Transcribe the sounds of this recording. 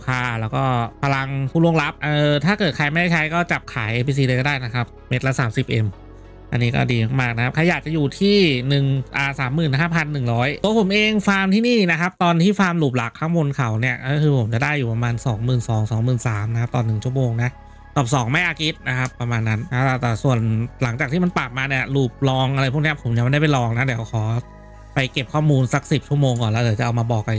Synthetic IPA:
kʰaː˧˩lɛː˦˥wkɔː˥˩pʰa˧la˧ŋpʰuː˥˩lu˥˩əŋla˦˥p̚ʔɤː˧t̪ʰaː˥˩kɤː˨˩t̪̚kʰaː˧˩jmɛː˥˩t͡ɕʰa˦˥jkɔː˥˩t͡ɕa˨˩p̚kʰaː˩˦jʔeː˧pʰiː˧s̬iː˧əː˧kɔ˥˩daː˥˩jna˦˥kʰa˦˥p̚me˦˥t̪̚la˦˥saː˩˦msi˨˩p̚ʔe˧m | ʔa̰˧nːiː˦˥kɔ̰ː˥˩diː˧ma˧˥˩maː˥˩na˦kʰa˦˥p̚kʰa˧jːaː˨˩k̚t͡ɕa˨˩juː˨˩t̪ʰiː˥˩nɯ˨˩ŋʔaː˧saː˩˦mːɯː˨˩nɦaː˥˩pʰa˧nːɯ˨˩ŋɾɔː˦˥jo˧˦pʰo˩˦mʔeː˧ŋfaː˧mt̪ʰiː˥˩niː˥˩na˦˥kʰa˦˥p̚t̪ɔː˧nt̪ʰiː˥˩faː˧mluː˨˩p̬̚la˨˩kʰːaː˦˥ŋmo˧nkʰa˨˩˦wni˥˩ɐʔkʰɯː˧pʰo˩˦mt͡ɕa˨˩daː˥˩jːuː˨˩pa˧maː˧nsɔː˩˦ŋmɯː˨˩nsɔː˩˦ŋsɔː˩˦ŋmɯː˨˩nsaː˩˦mna˦kʰa˦˥p̚t̪ɔː˧˩nːɯ˨˩ŋt͡ɕʰu˥˩ə˨moː˧ŋna˦˥ʔ | t̪ɔː˨˩sɔː˩˦ŋma˥˩ʔaː˧kʰi˦˥t̪̚na˦˥kʰa˦˥pːɾa˧maː˧nːa˦˥na˦˥˧t̪ɛː˨˩su˨˩ənla˩˦ŋt͡ɕaː˨˩t̪iː˥˩a˧npaː˨˩p̚maː˧ni˦˥˩ɐluː˨˩p̚lɔː˧ŋʔa˧ɾa˧jpʰu˥˩kni˦˥ɐ˨pʰo˩˦mni˥˧˩ma˧˩da˥˩pa˨˩lɔː˧ŋna˦˥d̪iː˩˦wkʰɔː˩˦ | pa˧jke˨˩p̚kʰɔː˥˩muː˧nsa˦˥k̚si˨˩p̚t͡ɕʰu˥˩əmoː˧ŋkɔː˨˩lɛ˦˥d̪wt͡ɕa˨˩ʔa˧wmaː˧bɔː˨˩kːa˧

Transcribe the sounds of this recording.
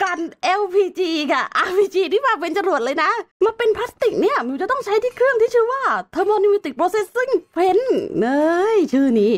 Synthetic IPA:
ka˧nʔɛ˧wpʰiː˧t͡ɕiː˧ka˧˩ʔaː˧pʰiː˧˩t͡ɕiː˧t̪ʰiː˥˩waː˧˩p̬e˧nt͡ɕa˧mɾu˨˩ət̪̚lɤː˧jna˦˥ma˧pe˧npʰaː˦˥st̪i˨˩k̚ni˥˩ɐmi˧˩t͡ɕa˨˩t̪ɔ˥˩ŋt͡ɕʰa˦˥jt̪ʰiː˥˩kʰɾɯ˥˩əŋt̪iː˥˩t͡ɕʰɯː˥˩waː˥˩t̪ʰɤː˧mɔː˧ni˧mu˧t̪i˨˩k̚pɾoː˧se˧˥si˧˥˩ŋpʰe˧˥nʔɤː˧jt͡ɕʰɯː˥˩niː˦˥

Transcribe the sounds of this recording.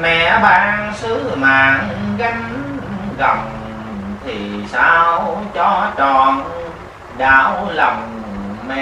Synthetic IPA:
mɛ̰˧˨ɓaː˧ŋsɨ˨˦maː˨˩nɣa˨˧˦jŋ | ɣə˨˩ŋ͡m | t̪ʰi˨˩saː˧wt͡ɕɔ˧t͡ɕɔ˧˩n | ɗaː˧˩wlə˨˩mmɛ̰˧˨

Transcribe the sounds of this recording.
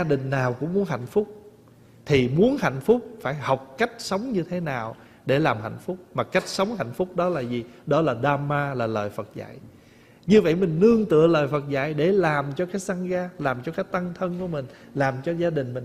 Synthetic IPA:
a˧ɗï˨˩ŋ̟naː˨˩wkʊ̰˧˥ŋ͡mmu˨˦ənɦa̰˧˨jŋ̟fʊ˦˥k͡p̚ | t̪ʰi˨˩mu˨˦ənha̰˧˨jŋ̟fʊ˦˥k͡p̚faː˧˩jha˨˩wk͡p̚ka˦˥jk̟̚sə˨˦wŋ͡mɲɨ˧t̪ʰe˨˦naː˨˩w | ɗe˧˩laː˨˩mɦa̰˧˨jŋ̟fʊ˦˥k͡p̚maː˨˩ka˦˥jk̟̚sə˨˦wŋ͡mha̰˧˨jŋ̟fʊ˦˥k͡p̚ɗɔ˨˦laː˨˩zi˨˩ɗɔ˨˦laː˨˩ɗaː˧maː˧laː˨˩ləː˨˩jfə˨˩t̚za̰ː˧˨jʔ | ɲɨ˧və̰˧˨jmï˨˩ŋ̟nɨ˧əŋt̪ɨ̰˧˨ələː˨˩jfə˨˩t̚za̰ː˧˨jɗe˧˩laː˨˩mt͡ɕɔ˧kaː˨˦jsa˧ŋɣaː˧laː˨˩mt͡ɕɔ˧kaː˨˦˥jt̪a˧ŋt̪ʰə˧nku˧˩əmï˨˩ŋ̟laː˨˩mt͡ɕɔ˧zaː˧ɗï˨˩ŋ̟mï̟˨˩

